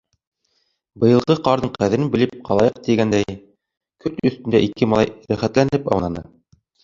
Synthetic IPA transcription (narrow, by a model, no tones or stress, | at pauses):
bɤ̆jɤ̆lˠʁɤqɑɾɤɴqæðɘ̆ɾɘnbɘ̆lɘp̚qɑlˠɑjɤq̚t̪iɡænd̪æj | kɵt̪ɵ̆sθt̪ɘ̆nd̪æʔikɘmɑlˠɑjɾæχæt̪lænɘpɑ̰wnɑnɤ